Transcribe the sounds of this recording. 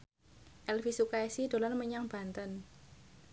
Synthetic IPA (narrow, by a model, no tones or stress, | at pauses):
ʔɛlfisukaɛsid̪̥o̤lɔnməɲaŋb̥ä̤nt̪ən